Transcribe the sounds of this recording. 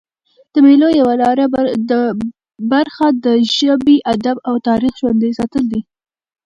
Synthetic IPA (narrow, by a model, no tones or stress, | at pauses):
d̪̥əmelojawalɑɾaə | baɾxad̪əʒabiʔad̪abawt̪ɑɾixʒwand̪əjsɑt̪əld̪i